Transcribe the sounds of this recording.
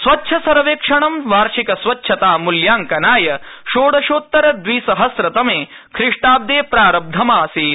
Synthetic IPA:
sʋɐtːʃʰɐsɐɾɐʋeːkʂɐɳɐmʋaːɾʂikɐsʋɐtːʃʰɐt̪aːmuljaːŋkɐnaːjɐʃoːɽɐʃoːt̪ːɐɾɐd̪ʋiːsɐɦɐsɾɐt̪ɐmeː | kʰɾɪʂʈaːb̚d̪eːpɾaːɾɐb̚d̪ʱɐmaːsiː

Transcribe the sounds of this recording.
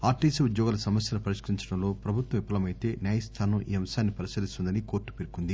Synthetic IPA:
aːɾʈiːseud̪jɔːɡalɐsɐmɐsjɐlupɐɾiʃkɐɾiɲt͡ʃɐɽɐmlo̞ːpɾɐbʱut̪ʋɐmipːɐlɐmɐjt̪e̞ːnjaːjɐst̪ʰaːnɐmʔḭːɐmɐsaːnːipɐɾisɐlist̪und̪ɐniko̞ːɾʈːu̥peɾukund̪i

